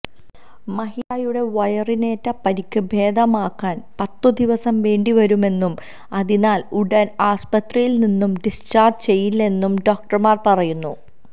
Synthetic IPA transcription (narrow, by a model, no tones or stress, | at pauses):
mɐɦijaːjuɽe̞ʋɐjɐrineːtːɐpɐɾikʲːɨbʱe̞ːd̪ɐmaːkːaːnpɐt̪ːud̪iʋɐsɐmʋe̞ːɳɖiʋɐɾume̞nːum | ɐðinaːluɽɐnaːspɐt̪rijilninːumɖist͡ɕaːrd͡ʑt͡ɕe̞jːilːɐe̞nːumɖoːk̚ʈɐrmaːrpɐrɐjunːu